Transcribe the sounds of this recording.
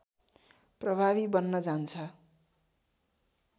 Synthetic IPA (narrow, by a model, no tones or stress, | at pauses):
prʌbʱaβibʌnːʌd͡zant͡sʰʌ